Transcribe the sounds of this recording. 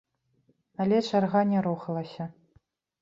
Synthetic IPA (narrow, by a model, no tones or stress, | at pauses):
alʲɛt͡ʂarɣanʲɛɾuxɐlˠɐsʲɐ